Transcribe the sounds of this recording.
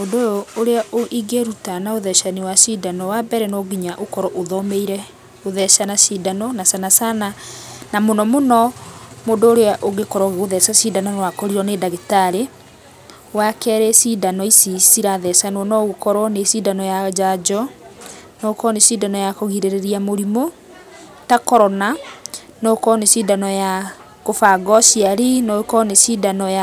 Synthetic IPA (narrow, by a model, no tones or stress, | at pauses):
ondoɔoɾeaʔoʔiɡeɾutanaoðɛʃanewasidanɔwabɛɾɛnɔɡiɲaʔokɔɾɔʔoðɔmeiɾɛ | oðɛʃanasidanɔnasanasananamonɔmonɔmoːndoːɾeaʔoɣekɔɾɔɣoðɛsasidananwakɔɾiɾɔnedaɣetaɾe | wakɛɾɛsidanɔisisiɾaðɛsanwɔnɔɣokɔɾwɔnesidanɔjad͡ʒad͡ʒɔ | nɔkɔnesidanɔjakoɣiɾeɾeɾiamoɾimo | takɔɾɔna | nɔkɔnesidanɔja | kofaɡɔsiaɾinɔkɔnesidanɔja